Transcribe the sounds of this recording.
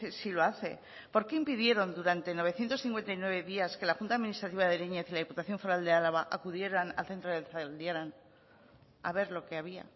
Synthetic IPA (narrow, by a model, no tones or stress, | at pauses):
silo̞aθe̞̰ | po̞ɾke̞impiðje̞ɾo̞nd̪uɾant̪e̞no̞β̞e̞θjent̪o̞sθiŋkwe̞nt̪ajnwe̞β̞e̞ðiaske̞laxunt̪aðminist̪ɾat̪iβaðe̞leɲe̞θilaðiput̪aθjo̞ɱfo̞ɾald̪ealaβaʔakuðje̞ɾana̰lθe̞nt̪ɾoðelθald̪jaɾan | a̰βe̞ɾlo̞ke̞aβia̰